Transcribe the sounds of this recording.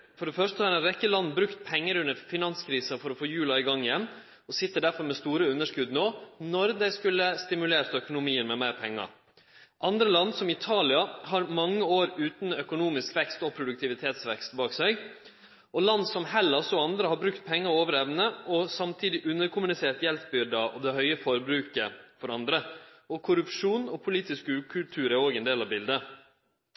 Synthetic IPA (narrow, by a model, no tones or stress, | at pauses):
fɔɖɛfœʂtəhɑɾɛnɾɛkːəlɑnːbɾʉkt̪̚pʰɛŋːəɾʉnəɾfɪnɑnskʰɾiːsɑfɔɾɔfoːjʉːlɑɪɡɑŋːɪjɛmː | ɔsɪt̪ːəɖæɾfɔɾmɛst̪uːɾəʉnːəʂkʉd̪noːnɔɾd̪æɪskʉlːəst̪ɪmʉleːɾt̪œkʊnʊmiːənmɛmæɪɾpʰɛŋːɑ̰ | ʔɑnd̪ɾəlɑnd̪sɔmɪt̪ʰɑːlɪɑɦɑɾmɑŋːəoːɾʉːt̪nœkʊnuːmɪskʋɛkst̪ɔpʰɾʊd̪ʉkt̪ɪʋɪt̪ʰeːt̪sʋɛ̰kst̪bɑːksɛɪ | ɔlɑnd̪sɔmhɛlːəsɔɑnd̪ɾəhɑːbɾʉkt̪̚pʰɛŋːəɾoːʋəɾɛʋnəɔsɑmt̪ʰiːd̪ɪʔʉnːəɾkʰʊmʉnɪseːʈ̪jɛlpbʏɾɖ̪ɑʔɔ̰d̪ɛhœʏəfɔɾəbɾʉːkəfɔɾɑnd̪ɾə | ɔkʰʊɾʉpʂuːnɔpʰʊliːt̪ɪskʉːkʰʉlt̪ʰʉːɾæoːɡɛnd̪eːlɑʋbɪld̪ə